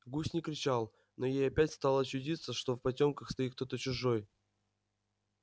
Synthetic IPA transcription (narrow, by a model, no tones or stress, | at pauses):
ɡusʲnʲɪkɾʲɪt͡ɕalˠ | no̞jejɐpʲætʲst̪ɑlˠəɐt͡ɕːʊdʲit̪səʂt̪o̞fpɐtʲo̞mkəxst̪ɐit̪̚k̚t̪o̞t̪ət͡ɕʊʐoj